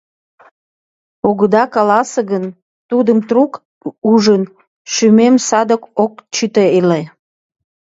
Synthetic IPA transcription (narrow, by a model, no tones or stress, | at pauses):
oɣəd̪ɑkɑlɑseɣən | t̪ud̪əmt̪ruk | uʒən | ʃymemsɑd̪əkokt͡ɕyt̪eele